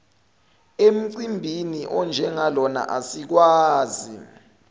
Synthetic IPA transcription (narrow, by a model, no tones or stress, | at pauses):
em̩ǀimbʱiniʔɔnd͡ʒʱɛŋalɔna̰ʔasik̬waːzi